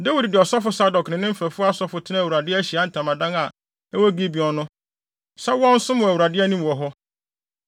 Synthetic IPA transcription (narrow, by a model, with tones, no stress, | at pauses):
de˦wi˨ddɪ˨ɔ˨sɔ˦fʊ˦sa˦dɔ˨knɪ̃˨nɪ̃˦m̩˦fæ˨fʊ˦a˦sɔ˦fʊ˨tʰɪ˦nã˦æ˨wu˨ɾa˨dɪ˦ɕi˨a˨˦n̩˨tʰã˨mã˨dã˦ŋa˨ | ɛ˦wo˦ɡi˦bi˨ɔ̃˨nʊ̃˦ | sa˦wɔ̃˦n̩˦sʊ̃˦mʊ̃˨æ˨wu˨ɾa˨dɪ˦æ˦nũ˦m˨wɔ˨ɦɔ˦